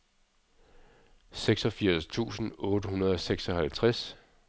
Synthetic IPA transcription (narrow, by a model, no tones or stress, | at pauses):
seɡ̥sɒ̽fiɐ̰st͡sʰṵːsn̩ɔ̽ːɾ̥əɦunɐð̞ˠɒ̽seɡ̥sɒ̽ɦælt͡sʰʁas